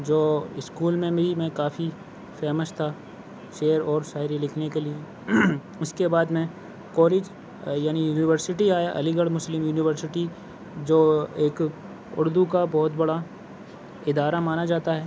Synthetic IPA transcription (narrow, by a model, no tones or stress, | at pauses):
d͡ʒoːɪskuːlmẽmeimɛ̃kaːfi | fɛːməʃt̪ʰa | ʃeːəɾɔːɾʃaːɪɾilɪkʰnekelie | ʊskebaːd̪mẽ | kɔːleːd͡ʒ | jaːnijuːnɪʋəɾsɪʈiaːjaʔɐ̰liɡəɽmʊslɪmjuːnɪʋəɾsɪʈi | d͡ʒoːeːk | ʊ̰ɾd̪ukabɔːt̪bɐɽa | ɪd̪aːɾamaːnad͡ʒaːt̪aɦɛː